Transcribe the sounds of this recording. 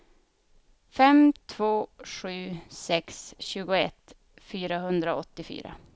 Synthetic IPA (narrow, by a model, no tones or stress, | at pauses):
fɛmt̪ʰv̥oːʂʉ̟ːsɛksɕʉ̟ːɡʊɛ̰t̪ː | fyːɾaɦɵnd̪ɾaɔt̪ːɪfy̰ːɾa̰